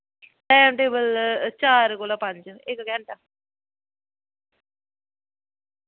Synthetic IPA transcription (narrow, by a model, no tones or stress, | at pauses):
ʈɛːmʈeːbəlt͡ʃaːɾkoːlaːpãɲd͡ʒɪkɡɛ̃ːɳʈa